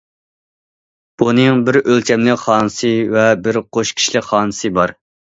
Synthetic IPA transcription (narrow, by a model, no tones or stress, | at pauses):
b̥unɨŋbɪɾølt͡ʃʲʰɛmlɪkχɑːnɨsɨvɛbɪɾqʰoʃkʲʰi̥ʃlɪkχɑːnɨsɨbɑɾ